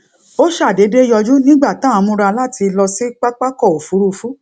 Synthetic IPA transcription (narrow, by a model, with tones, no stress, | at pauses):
o˦ʃa˦˨de˨˦de˦jɔ˧d͡ʒu˦nĩ˦ɡ͡ba˦˨tã˨˦˨mũ˧ɾa˧la˦˨ti˧lɔ˧si˦k͡pa˦k͡pa˦kɔ˦˨o˨fu˨˦ɾu˧fu˦